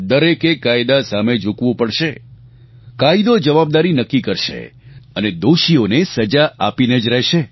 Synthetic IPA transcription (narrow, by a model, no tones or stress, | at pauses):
d̪əɾekekːajd̪asamed͡ʒukʋũpəɽʃe | kaid̪od͡ʒəʋab̚d̪aɾinəkːikəɾʃḛəned̪oʃionesəd͡ʒaʔapined͡ʒɾɛɦʃe